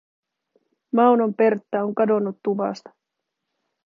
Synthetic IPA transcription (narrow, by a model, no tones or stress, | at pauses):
mɑwno̞mpe̞rt̪ːæo̞ŋkɑdo̞nːut̪ːuʋɑ̰st̪ɑ̥